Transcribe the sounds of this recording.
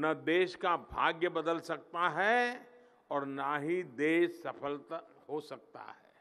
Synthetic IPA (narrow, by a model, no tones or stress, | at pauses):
nɐd̪eːʃkabʱa̰ːɡjəbɐd̪əlsɐk̚t̪aɦɛ | ɔːɾnaɦid̪eːʃsɐpʰəlt̪hosɐk̚t̪a̰ɦɛ̰ː